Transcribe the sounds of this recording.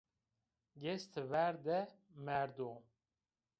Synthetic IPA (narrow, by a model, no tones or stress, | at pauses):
ɡɛst̪ʰɨvæɾd̪ɛ | mɛɾd̪o